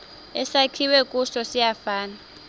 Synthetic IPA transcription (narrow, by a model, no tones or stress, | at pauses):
ɛsakʰiwɛkʼuʃɔsijafaːna